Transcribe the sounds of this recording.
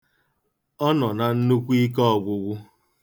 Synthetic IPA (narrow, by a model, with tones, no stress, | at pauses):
ɔ˦nɔ˨na˨n̩˦nu˦kʷi˦k̬ɔ˦˨ɡʷʊ˨ɡʷʊ˦